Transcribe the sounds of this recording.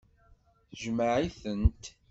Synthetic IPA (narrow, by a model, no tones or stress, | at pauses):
θəʒməʕiθənt̪